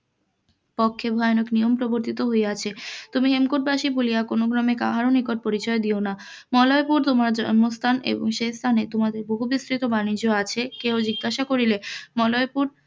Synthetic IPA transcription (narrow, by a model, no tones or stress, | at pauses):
pokʰːebʱɔeonoknijompɾoboɾt̪it̪oɦoeat͡ɕʰet̪umiɦemkoʈ̚baʃibolijakonoɡɾɔmekaɦaɾonikoɾ̚poɾit͡ɕɔed̪iona | mɔlɔepuɾt̪omaɾd͡ʑɔnmost̪ʰanḛboŋʃest̪ʰanet̪omad̪eɾboɦubist̪ɾit̪obanid͡ʑoat͡ɕʰekeod͡ʑiɡːaʃakoɾilemɔlɔjpuɾ